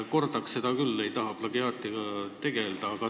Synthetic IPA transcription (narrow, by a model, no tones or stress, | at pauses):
ko̞rd̪ɑkse̞d̪ɑkylːejt̪ɑɦɑplɑɡiɑːt̪iɡ̥ɑt̪e̞ɡ̥e̞ld̪̥ɑɑɡ̥ɑ